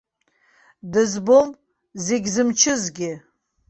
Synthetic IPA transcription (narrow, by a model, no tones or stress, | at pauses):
dɨzbom | zeɡʲzɨmt͡ʃʰɪzɡʲɪ